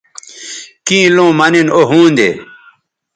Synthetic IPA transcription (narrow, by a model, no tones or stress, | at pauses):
kĩːlõːmɐninoɦũːnd̪ḛ